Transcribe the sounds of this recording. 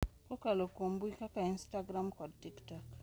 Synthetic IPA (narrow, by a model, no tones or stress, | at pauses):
kokalokombikakainstaɡɾamkɔdtiktak